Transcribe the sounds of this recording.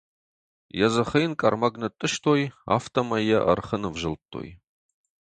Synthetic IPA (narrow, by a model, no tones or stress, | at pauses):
jɛzɐχɐjnkʼɐrmɐɡnɨtʼːɨʃtʰoːja̰ːftʰɐmɐjɐʔɐ̰rχənɨvʒɪltʰːo̰ːj